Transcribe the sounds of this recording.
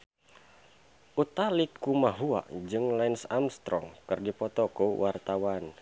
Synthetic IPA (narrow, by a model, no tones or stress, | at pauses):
ʔut̪alikːumaɦua̰ʔd͡ʒɨŋlainsamst̪ɾɔŋkɨrdipɔt̪ɔkuwʔart̪awan